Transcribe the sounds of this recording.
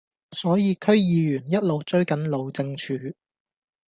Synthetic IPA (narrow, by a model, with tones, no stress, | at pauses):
sɔː˨˥jiː˨˧kʰɵ˥ɥjiː˨jyː˨˩njɐ˥t̚lo˨wt͡ʃɵ˥ɥkɐ˨˥nlo˨wt͡sɪ˧ŋt͡ʃʰyː˨˧